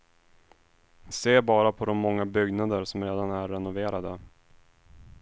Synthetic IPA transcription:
seːbɑːɾapʰɔd̪ɔmːɔŋːabʏɡnad̪əɾsɔmɾeːd̪anæɾːɛnʊveːɾad̪ə

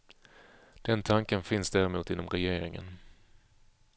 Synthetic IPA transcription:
d̪̥ɛnt̪ʰaŋkənfɪnsd̪æːɾɛmuːt̪ɪnːɔmɾɛjeːɾɪŋə̰n

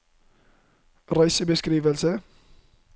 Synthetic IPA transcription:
rɑjsəbeskɾiːʋəlsə

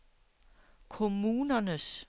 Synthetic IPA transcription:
kʰo̝muːnɐnəs

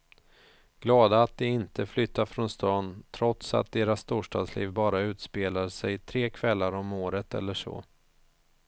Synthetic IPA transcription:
ɡ̥lɑːd̪aːt̪̚d̪ɪɪnt̪əflʏt̪ːafɾɔnst̪ɑːnt̪ʰɾɔt̪sa̰t̪̚d̪eːɾast̪uːʂʈɑ̰ːɡ̪slḭːvbɑːɾaʉ̟ːt̪speːlaʂɛjt̪ʰɾeːkʰvɛlːaɾɔmoːɾət̪ɛ̰lːəʂɔ̰ː

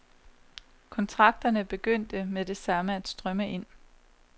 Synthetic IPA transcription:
kʰɒ̽nt͡sʰʁɑ̈ɡ̥̚d̥ɐnəb̥e̝ɡ̥øn̰d̥əmed̥e̝sɑ̈məæd̥sd̥ʁɶməe̝n̰

